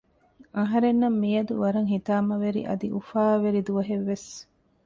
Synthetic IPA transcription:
ɐɦɐɾenːɐmːijɐd̪uʋɐɾɐŋɦit̪aːmɐʋeɾḭʔɐ̰d̪iʔufaːʋeɾid̪uʋɐɦeʋːes

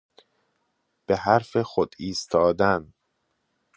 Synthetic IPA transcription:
b̥e̞hæɾfexod̪iːst̪ʰɒːd̪æn

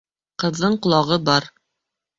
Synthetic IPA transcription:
qɤ̆ðːɤɴqŏlˠɑʁɤbɑɾ

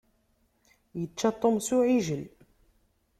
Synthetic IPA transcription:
jət͡ʃːat̪ˤːomsuʕiʒəl

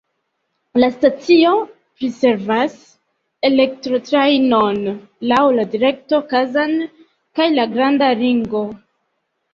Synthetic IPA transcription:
lastat͡sio̞ | pɾise̞ɾvas | e̞le̞k̚tɾo̞tɾajno̞n | lawladiɾe̞k̚to̞kazan | kajlaɡɾandaliŋɡo̞

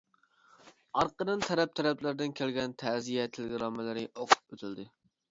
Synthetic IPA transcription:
ɑɾqəd̪ɨnt̪ʰæɾɛp̚t̪ʰæɾɛplæɾd̪ɪnkʲʰælɡʲɛnt̪ʰæzijɛt̪ʰɪlɪɡʲɾɑmɪlɪɾɪʔoqʰʊ̥p̚øt̪ʰɪld̪ɪ

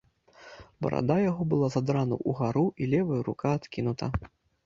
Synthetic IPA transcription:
bɐ̰ɾa̰d̪ajaɣɔbɨlˠazad̪ɾanɐ̰ʔuɣaɾuʔilʲɛvɐjuɾṵkaːt̪kʲinut̪ɐ̰

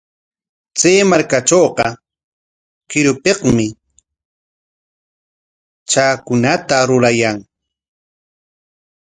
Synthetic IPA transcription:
t͡seːmaɾkat͡ʃoːqɑ | kɪɾʊpeqmɪ | t͡ʃaːkʊnat̪aɾʊɾajaŋ

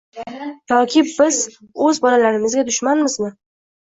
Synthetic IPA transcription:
t̪ʰɒkʲʰɪbɪz | ɵzbɒlalaɾɪmɪzɡʲad̪ʊʃmanmɪznɪ

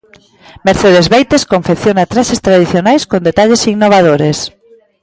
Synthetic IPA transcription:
meɾθeðezβejt̪eskoɱfekθjonat̪ɾasest̪ɾaðiθjonajskond̪et̪aʎesinoβ̞aðoɾes

